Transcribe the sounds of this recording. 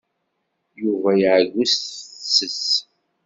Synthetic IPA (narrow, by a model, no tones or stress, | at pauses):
juvæjʕʝʷussːəs